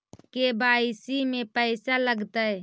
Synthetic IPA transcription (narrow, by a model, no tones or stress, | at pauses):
kebaːɪsimẽpəɪsaləɡt̪aɛ